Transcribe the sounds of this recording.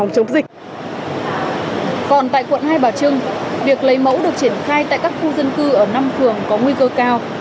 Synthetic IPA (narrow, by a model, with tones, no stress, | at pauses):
wŋ͡mt͡ɕə˨˦ŋ͡mzï˨˩k̚ | kɔ˨˩nt̪a̰ː˧˨jkwə̰˧˨nɦaː˧jɓaː˨˩t͡ɕɨ˧əŋvi˨˩ək̚lə˨˦jmə̰˧˥wɗɨ˨˩ək̚t͡ɕi˧˩ənxaː˧jt̪a̰ː˧˨jkaː˦˥k̚xu˧zə˧nkɨ˧ʔəː˧˩na˧mfɨ˨˩əŋkɔ˨˦ŋwi˧kəː˧kaː˧w